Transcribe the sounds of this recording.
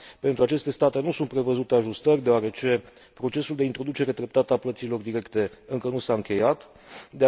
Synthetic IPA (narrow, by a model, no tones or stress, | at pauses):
pe̞nt̪ɾuat͡ʃe̞st̪e̞st̪at̪e̞nusunt̪pɾe̞vəzut̪eaʒust̪ərʲd̪e̞oaɾe̞t͡ʃe̞ | pɾo̞t͡ʃe̞suld̪e̞int̪ɾo̞d̪ut͡ʃe̞ɾe̞d̪ɾe̞p̚t̪at̪aplət̪silo̞rd̪iɾe̞kt̪e̞ɨŋkənusaɨŋkʲe̞jat̪ | d̪e